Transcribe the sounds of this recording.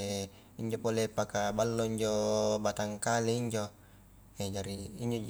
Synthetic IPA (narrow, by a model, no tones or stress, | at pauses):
iɲd͡ʒopolepakabalːoiɲd͡ʒobat̪aŋkaleiɲd͡ʒo | ed͡ʒaɾiiɲd͡ʒo